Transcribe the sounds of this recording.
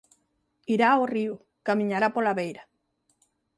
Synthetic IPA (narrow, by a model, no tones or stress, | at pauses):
iɾaoriu | kamĩɲaɾapolaβejɾa